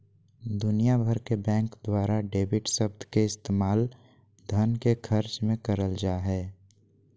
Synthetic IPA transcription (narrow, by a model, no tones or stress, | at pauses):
d̪ʊnijabʱəɾkebɛ̃ːŋkd̪waːɾaɖeːbɪʈsəbd̪ʱkeɪst̪eːmaːl | d̪ʱənkekʰəɾt͡ʃmẽkəɾəld͡ʒaːɦɛː